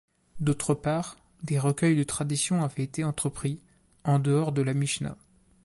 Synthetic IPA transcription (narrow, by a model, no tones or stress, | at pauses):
d̪ot̪χəpaːʁ | d̪eʁəkʲœjd̪ət̪χad̪isjɔ̃avɛet̪eɑ̃t̪χəpχi | ɑ̃d̪əɔʁd̪əlamiʃna̰